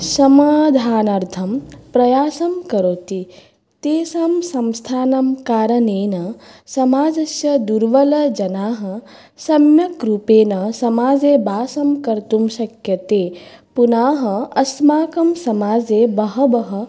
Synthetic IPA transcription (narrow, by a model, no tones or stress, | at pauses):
sɐmaːd̪ʱaːnɐɾt̪ʰɐmpɾɐjaːsɐmkɐɾoːt̪i | t̪eːsɐmsɐmst̪ʰaːnɐmkaːɾɐneːnɐsɐmaːd͡ʒɐsjɐd̪uɾʋɐlɐd͡ʒɐnaːɦɐ | sɐmjɐkɾuːpeːnɐsɐmaːd͡ʒeːbʱaːsɐmkɐɾt̪umʃɐkjɐt̪eː | punaːɦɐɐsmaːkɐmsɐmaːd͡zeːbɐɦɐbɐɦɐ̆